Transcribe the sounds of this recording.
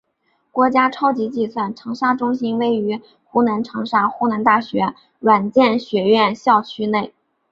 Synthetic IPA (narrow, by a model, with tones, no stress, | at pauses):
kwɔ˧˥t͡ɕja˥ʈ͡ʂʰɑ˥ʊt͡ɕi˧˥t͡ɕi˥˧swa˥˩nʈ͡ʂʰɤ˧˥ŋʂa˥ʈ͡ʂʊ˥ŋɕi˥nwe˥˩ɪy˧˥ | xu˥na˧˥nʈ͡ʂʰɤ˧˥ŋʂa˥xu˥na˧˥nt̪a˥˩ɕɥɛ˧˥ | ɻwa˨˩nt͡ɕjɛ˥˩nɕɥɛ˧˥ɥɛ˥˧nɕjɑ˥˩ʊt͡ɕʰy˥ne˥˩ɪ